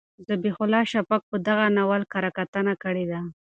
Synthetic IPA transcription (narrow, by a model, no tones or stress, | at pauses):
zabexʊlɑʃapak̚pəd̪aɣanawalkaɾakat̪ənakəɽed̪a